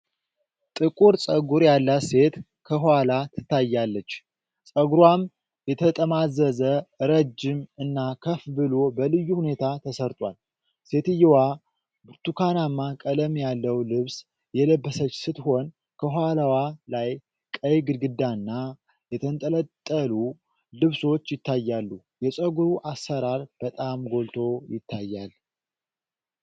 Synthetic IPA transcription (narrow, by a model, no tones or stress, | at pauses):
t̪ʼɨkʼuɾsʼəɡuɾjalːase̞t̪ | kʰəɦalat̪ʰɨt̪ːajːalːət͡ʃː | sʼəɡɾwam | jɛt̪ʰət̪ʼəmazəzəɨɾəd͡ʒːɪmɨnːakʰəfbɨlo̞bəlɨjːuhune̞t̪ʰat̪ʰəsəɾt̪ʼwal | se̞t̪ɨjːwa | bɾt̪ukʰanamːakʼələmjalːəwlɨβs | jɛləbːəsət͡ʃːsɨt̪ho̞n | kʰəɦʷwalawalaj | kʼəjɡɨlɡɨd̪anːa | jɛt̪ʰənt̪ʼələt̪ʼːəlu | lɨβso̞t͡ʃːjɪt̪ʰːajːalːu | jɛt͡ʃʼəɡuɾuʔasːəɾaɾb̥ət̪ʼamɡo̞lt̪ʰo̞jɪt̪ʰːajːal